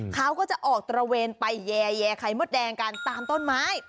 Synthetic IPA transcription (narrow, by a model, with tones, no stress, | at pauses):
kʰa˦˥wkɔː˥˩t͡ɕa˨˩ʔɔː˨˩k̚t̪ɾa˧weː˧npa˧jːɛː˧jɛː˧kʰa˧˩jmu˦˥˩t̪̚dɛː˧ŋka˧nt̪aː˧mt̪o˥˩nmaː˦˥j